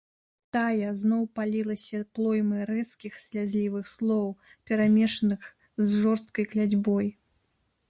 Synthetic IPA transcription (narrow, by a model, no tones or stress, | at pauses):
t̪ajɐznɔwpalʲilˠɐsʲɐplˠɔjmɨɾɛskʲixsʲlʲad͡zʲlʲivɨxslˠɔwpʲɛɾamʲɛʂɐnɨx | zʐɔrst̪̚kɐjklʲad͡zʲbɔj